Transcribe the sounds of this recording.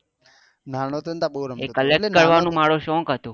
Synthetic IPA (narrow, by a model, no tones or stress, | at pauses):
nanot̪ont̪aɓoɾəekəlekkːəɾʋanũːmaɽoʃɔ̃ːkɦət̪oː